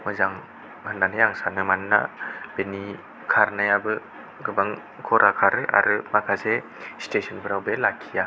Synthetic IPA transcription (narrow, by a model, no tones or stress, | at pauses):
mɯzaŋ | hɯndanhejaŋsanɯmanːa̰b̥eni | kʰaɾnajabɯ | ɡɯbaŋ | kʰɔɾʔakʰaɾɯa̰ɾɯmakʰase | stesɔnpʰɯɾawbelakʰija